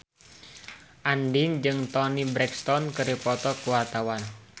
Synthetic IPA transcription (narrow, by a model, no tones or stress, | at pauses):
ʔandiŋd͡ʒɨŋt̪ɔnibɾɛkst̪ɔnkəɾipɔt̪ɔkuwart̪awan